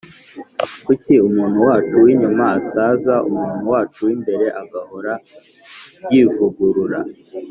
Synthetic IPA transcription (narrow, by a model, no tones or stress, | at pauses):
kuciumuːn̥huwaːt͡ʃuwiɲumaːsaːzaʔṵmuːn̥uwaːt͡ʃuwimbe̞ɾe̞ʔaɡaho̞ɾa | jiːvuɡuɾuɾa